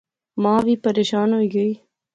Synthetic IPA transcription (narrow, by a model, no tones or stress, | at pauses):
mãːʋipɐɾeːʃaːnɦoiɡɐi